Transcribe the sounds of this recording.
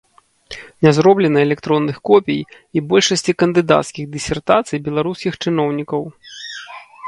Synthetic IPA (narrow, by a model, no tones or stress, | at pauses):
nʲazɾɔblʲɛnɐɛlʲɛkt̪ɾɔnːɨxkɔpʲij | ibɔlʲʂɐsʲt͡sʲikɐnd̪ɨd̪a̰t̪skʲiɣd̪ɨsʲɛrt̪at̪sɨjbʲɛlˠaɾuskʲixt͡ʂɨn̪ɔwnʲikɐw